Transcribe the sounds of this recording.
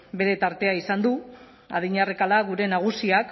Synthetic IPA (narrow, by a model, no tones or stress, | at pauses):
be̞ɾe̞t̪aɾt̪e̞aisand̪u | a̰ðiɲarekalaɣuɾe̞naɣ̞usiak